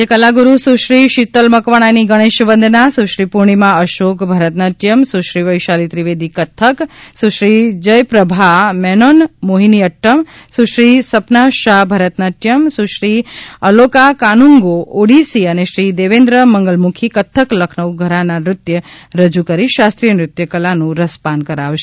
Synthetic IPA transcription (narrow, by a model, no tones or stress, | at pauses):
d͡ʒekəlaɡuɾusuʃɾiʃit̪əlməkʋaɽ̃aniɡəɽ̃eʃbənd̪ʱnasuʃɾipuɾɳ̃imãəʃokbʱəɾət̪nət̪jəmsuʃɾiʋəjʃalit̪ɾiʋed̪ikət̪ʰəksuʃɾid͡ʒəjpɾəbʱamɛnonmoɦiniəʈːəmsuʃɾisəpnaʃabʱəɾət̪nət̪jəmsuʃɾiəlokakanuŋɡooɽisiəneʃɾid̪eʋẽnd̪ɾəməŋɡəlmukʰikət̪ʰːəkləkʰnəʋɡʱəɾananɾʊt̪jəɾəd͡ʒukəɾiʃast̪ɾijənɾʊt̪jəkəlanũɾəspankəɾaʋʃe̥